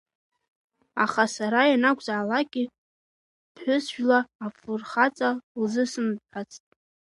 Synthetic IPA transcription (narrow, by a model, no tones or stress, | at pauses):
aχasaɾajanakʷʼzaʕalaɡʲʼi | pʰħʷᶣʊsʒᶣlaːfɨrχat͡sʼalzɨsɨmħat͡sʼtʼ